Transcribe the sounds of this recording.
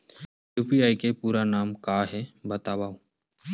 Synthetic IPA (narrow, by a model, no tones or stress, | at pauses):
juːpiaːikepuːɾanaːmkaːɦɛbət̪aːʋaːo